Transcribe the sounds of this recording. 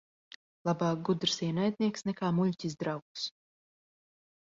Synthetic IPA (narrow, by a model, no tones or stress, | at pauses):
lˠabaːk̚ɡud̪ɾsiɛnajd̪ʲniɛksnɛkaːmuʎʲcʲizd̪ɾawks